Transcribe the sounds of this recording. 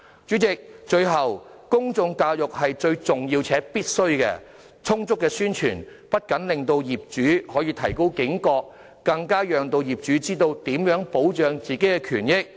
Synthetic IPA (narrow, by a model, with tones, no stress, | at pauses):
t͡ʃyː˨˥t͡sɪ˨k̚t͡ʃɵ˧ɥɦɐ˨wkʊ˥ŋt͡sʊ˧ŋkaː˧wjʊ˨k̚hɐ˨jt͡ʃɵ˧ɥt͡sʊ˨ŋjiː˧wt͡sʰɛː˨˥piː˥t̚sɵ˥ɥkɛ̰ː˧ | t͡sʰʊ˥ŋt͡sʊ˥kːɛː˧syː˥nt͡ʃʰy̰ː˨˩npɐ˥t̚kɐ˨˥nlɪ˨ŋt̪o˧wjiː˨˩p̚t͡ʃyː˨˥hɔː˨˥jiː˧t̪ʰɐ˨˩jko˥wkɪ˨˥ŋkɔː˧k̚ | kːɐ˧ŋkaː˥jœː˨ŋt̪o˧wjiː˨˩p̚t͡ʃyː˨˥t͡siː˥t̪o˧wt̪iː˨˥mjœː˨˥ŋpo˨˥wt͡ʃœː˨˧ŋt͡siː˨˩ke˨˥jkɛː˧kʰy̰ː˨˩njɪ˥k̚